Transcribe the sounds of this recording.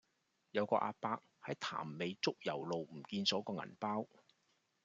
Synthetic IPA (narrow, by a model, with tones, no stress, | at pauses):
jɐ˨˧wkɔ̰ː˧ʔa̰ː˧paː˧k̚hɐ˨˥jt̪ʰa̰ː˨˩mːe˨˧jt͡sʊ˥k̚jɐ̰˨˩wlo˨wm̩˨˩kiː˧nsɔː˨˥kɔː˧ŋɐ̰˨˩npaː˥w